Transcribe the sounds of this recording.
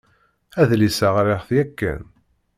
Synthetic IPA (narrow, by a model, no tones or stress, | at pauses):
æðlisaʁɾeʁθjækːə̰n